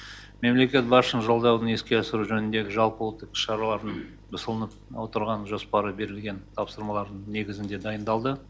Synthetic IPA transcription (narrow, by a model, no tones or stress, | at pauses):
me̞mle̞kʲe̞t̪̚bɑɾʃənʒolˠd̪ɑwd̪əne̞skʲe̞ɑsəɾuʒɵnɪnd̪e̞ɡʲɪʒɑlˠpəolˠt̪ːəkɪ̥ʃɑɾɑlˠɑɾən | bʊsəlˠənəp̚wo̞t̪əɾʁɑnʒo̞spɑɾəbe̞ɾɪlɡʲe̞nt̪ʰɑpsəɾmɑlˠɑɾd̪əɴne̞ɡʲɪzɪnd̪e̞d̪ɑjənd̪ɑlˠd̪ə